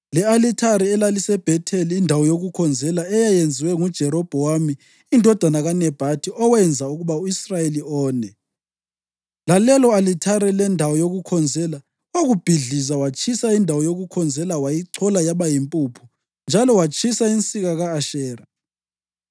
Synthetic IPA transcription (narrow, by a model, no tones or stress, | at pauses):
lɛalitʰaɾɛɛlalisɛb̥ʱɛtʰeliːndʱawɔjoɣukʰɔnd͡zʱɛlaɛjajend͡zʱiwɛŋud̥ʒ̥ʱɛɾɔb̥ʱɔwamiː | ndʱɔd̥ʱanaɣanɛb̥ʱatʰiʔɔwɛnd͡zʱauɣuβauisrajeliɔːnɛ | lalɛlɔalitʰaɾɛlɛndʱawɔjoɣukʰɔnd͡zʱɛla | oɣub̥ʱiɮizawat͡ʃʰʼisaindʱawɔjoɣukʰɔnd͡zʱɛlawajiǀʰɔlajaβajimpʼupʰu̥ | nd͡ʒʱalɔwat͡ʃʰʼisaint͡sʼiɣaɣaːʃɛːra